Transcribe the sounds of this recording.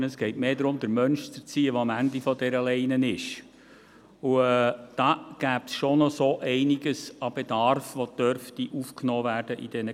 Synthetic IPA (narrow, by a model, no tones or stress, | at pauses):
nəsɡ̥ɛɪtmeːdɾʊmd̪əɾmœnʃt͡sət͡siːəʋoɑmænd̪ifɔdɛɾəlɛɪnənɪʃ | uɛːd̥ɑːɡ̥æːpsʃonɔsoʔɛɪniɡəsɑb̥ed̥ɑɾfʋod̪̥œɾftiʔufknɔːvæːɾd̥əʔid̥ɛnə